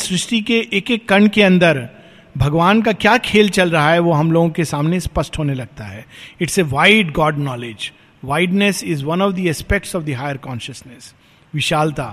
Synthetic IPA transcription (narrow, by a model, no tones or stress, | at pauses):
sɾɪʃʈikeʔekekːɐɳɖkeɐ̃nd̪əɾ | bʱɐɡʋaːnk̬akjaːkʰeːlt͡ʃɐlɾɐɦaɦɛʋoɦɐmloːɡõkesaːmnespɐsʈɦoːnelɐɡ̚t̪a̰ɦɛːɪʈseʋaːɪɖɡɔːɖnɔːled͡ʒ | ʋaːɪɖnesɪzʋɐnɔʋd̪iɛːspek̚ʈsɔʋd̪iɦaːɪəɾkɔ̃ːnʃəsnɛs | ʋɪʃaːlt̪aː